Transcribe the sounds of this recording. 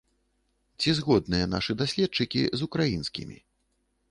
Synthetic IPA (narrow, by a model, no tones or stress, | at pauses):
t͡sʲizɣɔd̪̚nɨjɐna̰ʂɨd̪asʲlʲɛt̪̚t͡ʂɨkʲḭzukɾajinskʲḭmʲḭ